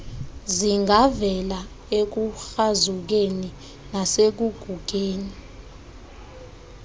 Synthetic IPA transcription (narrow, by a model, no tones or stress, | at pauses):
ziŋɡavɛla | ek̬uxazuk̬eni | nasek̬uɡ̥ʱuɡ̥ʱeːni